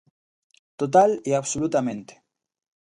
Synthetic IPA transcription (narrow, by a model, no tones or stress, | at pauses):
t̪ot̪̬aliaβsolut̪amẽnt̪e̥